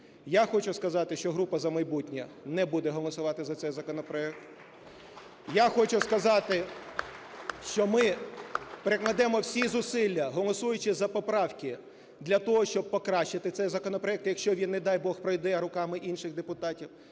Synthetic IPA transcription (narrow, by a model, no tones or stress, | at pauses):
jaxɔt͡ʃʊskɐzɑt̪ɪʃt͡ʃɔɦɾupɐzɐmɐjbutʲnʲɐ | nɛbud̪ɛɦɔlˠɔsʊʋɑt̪ɪzɐt̪sɛjzɐkɔnɔpɾɔɛk̚t̪ | jaxɔt͡ʃʊskɐzɑt̪ɪ | ʃt͡ʃɔmɪ | peɾeklˠɐd̪ɛmɔwsʲizʊsɪlʲːɐɦɔlˠɔsujʊt͡ʃɪzɐpɔpɾɑwkʲɪ | d̪lʲɐt̪ɔɦɔʃt͡ʃɔb̚pɔkɾɑʃːɪt̪ɪt̪sɛjzɐkɔnɔpɾɔɛk̚t̪jɐkʃʲt͡ʃɔʋʲinːɛd̪ɑjbɔxpɾɔjd̪ɛɾʊkɑmɪʔinʃɪxd̪epʊt̪ɑtʲiw